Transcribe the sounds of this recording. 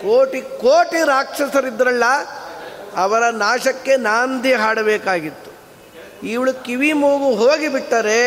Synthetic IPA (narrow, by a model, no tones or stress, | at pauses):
koːʈikoːʈiɾaːkʂɐsɐɾid̪ɾɐlːɐ | ɐʋɐɾɐnaːʃɐkːe̞naːnd̪iɦaːɽɐbeːkaːɡit̪ːu̥ | iʋɐɭukiʋimuːɡuɦoːɡibiʈːaːɾe